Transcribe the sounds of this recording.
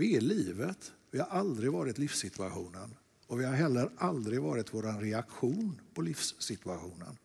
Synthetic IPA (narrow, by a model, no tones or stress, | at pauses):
ɪɛliːvət̪vɪhaɾald̪ɾɪɡvɑːɾɪt̪lɪfsɪt̪ʰɵaɧuːnən | ɔvɪhaɾɦɛlːəɾald̪ɾɪɡvɑ̰ːɾɪt̪voːɾanɾɛakɧuːnpʰɔlɪfsːɪt̪ɵaɧuːnə̰n